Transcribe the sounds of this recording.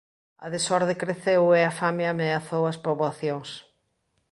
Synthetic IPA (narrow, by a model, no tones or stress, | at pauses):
ɐ̰ðesɔɾðekɾeθeweafameameaθowɐspɾoβaθjoŋs